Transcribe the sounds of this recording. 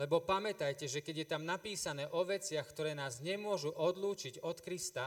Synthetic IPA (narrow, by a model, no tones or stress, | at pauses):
lɛbɔpamɛt̪ajcɛʒɛkɛɟjɛt̪amnapiːsanɛːʔɔʋɛt͡sɪaxkt̪ɔɾɛːnaːzɲɛmʊɔʒuʔɔd̪luːt͡ʃiɟɔt̪kɾist̪a